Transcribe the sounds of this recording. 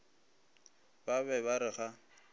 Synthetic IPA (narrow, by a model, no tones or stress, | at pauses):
baβɛβaɾɪχa